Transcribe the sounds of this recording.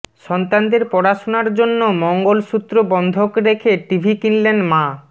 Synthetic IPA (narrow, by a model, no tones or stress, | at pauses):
ʃɔnt̪and̪eɾpɔɾaʃonaɾd͡ʑonːomɔŋɡolʃut̪ːɾobɔnd̪ʱokɾekʰeʈibʱikinlenmã